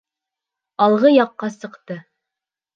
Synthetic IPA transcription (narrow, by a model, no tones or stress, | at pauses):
ɑlˠʁɤjɑqːɑsɤ̆qt̪ɤ